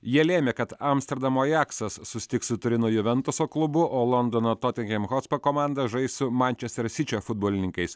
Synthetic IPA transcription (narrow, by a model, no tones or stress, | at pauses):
jiɛlʲeːmʲeːkɐt̪ɐmsʲt̪ʲɛɾd̪ɐmoːjæksɐsːʊsʲɪ̥t̪ʲɪksʊt̪ʊɾʲɪnʊjʊʋʲɛnt̪ʊsoːklˠʊbʊʔoːlˠɔnd̪oːnoːt̪ɔːt̪ʲɛŋkʲɛmxɔt̪spɐkɔmɑˑnd̪ɐʒɐɪsʊmanʲt͡ʃʲɛsʲt̪ʲɐɾsʲɪt͡ʃʲofʊd̪̚boːlʲɪnʲɪŋkɐɪs